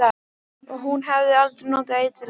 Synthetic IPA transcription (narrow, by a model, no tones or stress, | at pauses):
a | ɔɣɦunɦɛvðɪalt̪ɾɪnoːwt̪aejt̪ʰɪl